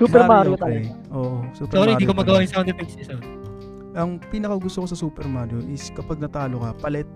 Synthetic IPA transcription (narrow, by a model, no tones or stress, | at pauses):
suːpɛɾmaɾot̪aɛʔoːʔosuːpsoɾohɪikomɐɡɐwaːjʊnsɐɐ̃nd̪ɛpɛksɛso | ʔɐŋpiːnɐkɐɡʊst̪okosɐsuːpɛɾmanjonɪskɐpɐɡ̚nɐt̪aːlokɐpɐlɛt̪̚